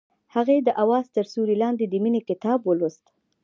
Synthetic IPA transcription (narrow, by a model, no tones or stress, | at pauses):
haɣed̪əʔawɑzt̪əɾsuɾilɑnd̪ed̪əminekɪt̪ɑbwəlust̪